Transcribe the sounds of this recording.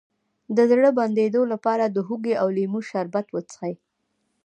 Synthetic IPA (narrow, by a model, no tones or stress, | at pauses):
d̪əzɽəband̪ed̪olapɑɾad̪əɦuɡeawlimuʃaɾbat̪wət͡sxaj